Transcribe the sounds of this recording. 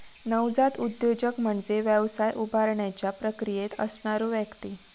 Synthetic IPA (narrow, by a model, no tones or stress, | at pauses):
nəwd͡zat̪ud̪jod͡ʑəkm̤əɳd͡zeʋjəʋsajʔubʱaɾɳjat͡ɕjapɾəkɾijet̪ə̰sɳaɾuːʋjəkt̪i